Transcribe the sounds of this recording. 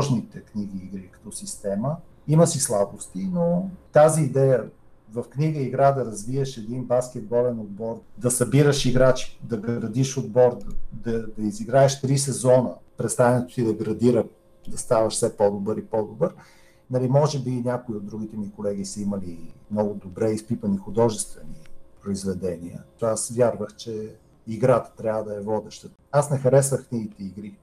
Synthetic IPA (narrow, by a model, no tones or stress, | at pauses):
ʒnit̪ɛkniɡiiɡɾikɐ̥t̪ɔsist̪ɛmə | iməsislˠabost̪inot̪aziːd̪ɛjə | vɐfkniɡəiɡɾad̪ɐɾɐzviəʃɛd̪inbaskɛt̪̚bɔlɛnod̪̚bɔɾd̪ɐsɐbiɾəʃiɡɾat͡ʃi̥d̪ɐɡɾɐd̪iʃod̪bɔɾd̪ɐd̪ɐiziɡɾaɛʃt̪ɾisɛzɔnəpɾɛt̪st̪avɛnɛt̪o̥t̪id̪ɐɡɾɐd̪iɾə | d̪ɐst̪avɐʃsɛpɔd̪obəɾipɔd̪obɤɾ | nɐlimɔʒɛbinʲakoiod̪ɾuɡ̟it̪ɛmikolɛɡ̟isəiməlimnɔɡʊd̪obɾɛispipɐnixʊd̪ɔʒɛst̪vɛnipɾoizvɛd̪ɛniə̰asvʲjaɾvəxt͡ʃɛ | iɡɾat̪ə̥t̪ɾʲjavəd̪ɐɛvɔd̪ɛʃt̪ə | asnɛxɐɾɛsvəxknʲiɡit̪ɛiɡɾi